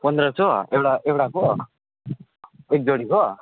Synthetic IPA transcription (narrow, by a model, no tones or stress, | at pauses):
pʌnd̪ɾʌt͡sʌewɽaewʈako | ek̚d͡zʌɽiko